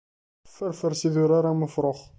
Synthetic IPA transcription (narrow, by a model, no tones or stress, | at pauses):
fəɾfəɾsiðuɾaɾaməfɾoχ